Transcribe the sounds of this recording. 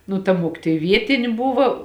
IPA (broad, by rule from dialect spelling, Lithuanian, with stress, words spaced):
nʊ tɐ ˈmuɔkʲɪtoːj ˈʋʲiɛtʲɪnʲɪ ˈbʊʋɐ